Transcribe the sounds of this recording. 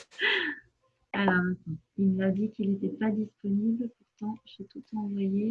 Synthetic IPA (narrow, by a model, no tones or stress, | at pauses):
alɔʁɛ̃t̪ɔ̃ilnəlad̪ikʲilet̪ɛpad̪ispɔnibləpuʁt̪ɑ̃ʒet̪ut̪ɑ̃vwaje